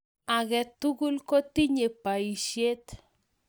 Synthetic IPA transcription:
a˨ɣɛ˨t̪u˦ɡu˦lkɔ˦ti˦ɲe˨pa˨i˨ʃje˦t

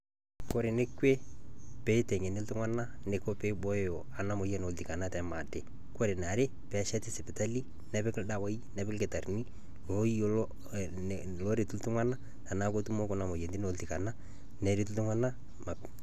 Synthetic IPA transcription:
ko˦ɾe˨ne˦kwe˦pe˦tɛ˨ɲɛ˨nɪ˦ltʊ˦ŋa˦na˦ne˨ko˦pe˦bɔ˦jɔ˨a˨na˦mo˨jɛ˦no˨lti˨ka˨na˦tɛ˨ma˨te˨ | ko˦ɾe˨na˨ɾe˦ | pɛ˦ʃɛ˦tɪ˦sɪ˨pɪ˨ta˦li˦ | nɛ˦pɪ˦kɪ˦lda˦wa˦inɛ˨pɪ˦lkɪ˨ta˨rni˦ | lo˦i˦ | lo˦ɾe˨tu˦ltʊ˦ŋa˦na˦ | na˨na˦ko˦tu˦mo˦kɔ˦na˨mo˨jɛ˨ndi˦no˨lti˨ka˨na˦ | nɛ˨˦ɾi˦tu˦ltʊ˦ŋa˦na˦ | ma˨

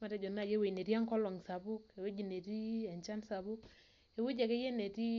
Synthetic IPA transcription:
ma˨tɛ˦d͡ʒɔ˨na˨je˦we˨ne˨ɾja˦ŋkɔ˦lwɔ˨ŋsa˨bʊ˦ke˨we˦d͡ʒi˨ne˨ɾi˦ɛ˨ɲt͡ʃa˦nsa˨bʊ˦k | e˨wu˦d͡ʒa˨ke˦je˦ne˨ti˦

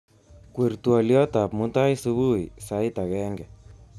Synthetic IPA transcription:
kwe˨rtua˨ljɔ˦ta˨pmuta˦jsu˦βu˦isa˦jta˨ɣɛ˦ŋɡɛ˨

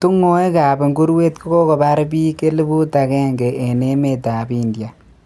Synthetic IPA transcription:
tu˦ŋo˦e˦ka˨be˨ŋɡu˦ɾwe˦tki˦ko˦kɔ˨ba˦ɾbi˦ke˦li˦bu˦ta˨kɛ˦ŋɡe˨ʔːne˦me˨ta˨bi˨ndja˨

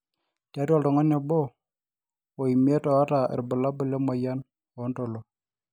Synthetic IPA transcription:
ta˦to˦˨lto˨ŋo˦ne˨bo˦ | o˨i˨m˦e˦to˨wa˦ta̰˨ɾbə˨la˦bə˨le˦ma˨ja˦n | o˨˦nto˨lo˨

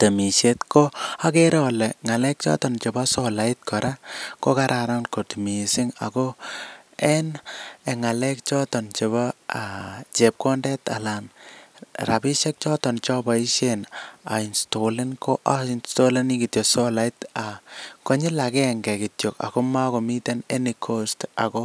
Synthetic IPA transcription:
te˨mi˨ʃetko˦a˦keɾɔlɛŋa˨lɛ˦k̚t͡ʃɔ̰˦tɔ˨nt͡ʃe˨ba˦sɔ˦la˨it̚kʰɔɾʔa˦ko˦ka˦ɾʔaɾa˦nko˨ti˨mi˨si˦ŋa̰˨ko˦ | ɛ˦neŋa˨lɛ˦k̚t͡ʃɔ˦tɔ˨nt͡ʃe˨βa˦at͡ʃe˨p̚kɔ˦ndɛ˦ta̰˨lan | ra˨bi˦ʃɛ˦k̚t͡ʃɔ˦tɔ˨nt͡ʃɔ˦ba˨i˦ʃena̰˨insto˨le˦nko˦ʔa˦nsto˦leni˦ki˨tjo˨so˦la˨itako˦ɲi˦la˨kɛ˦ŋɡɛ˨kitjo˨ka̰˨ko˦ma˦ko˨mi˦tɛ˦nenikʰosta̰˨ko˦

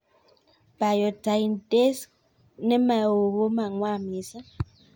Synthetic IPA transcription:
pa˨jɔ˨ta˨i˨nte˦s | nɛ˦ma˨o˨ɣo˦ma˨ŋwa˦˨mi˨sa˦

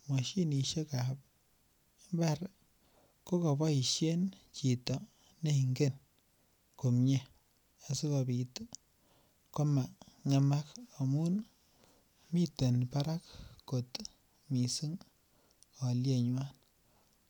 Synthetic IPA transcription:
mwa˨ʃi˦ni˨ʃe˦ka˨p | ba˦ɾ | ko˦ko˨bɔ˦i˨ʃje˦nt͡ʃi˨tɔ˨ | ne˦i˨ŋɡe˦˨n | ko˨mɲe˦ | a˨si˦ka˨bi˨t | kɔ˦ma˨ŋe˨ma˦ka˨mu˦n | mi˦te˨npa˦ɾa˦kːo˨t | mi˨sɨ˦ŋ | ɔ˨lje˦ɲwa˦n

